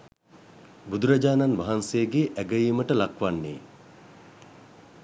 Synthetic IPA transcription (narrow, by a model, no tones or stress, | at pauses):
bud̪uɾad͡ʒaːnanʋaɦansejəɡeːʔæɡəjiːməʈəlakʋanːḛː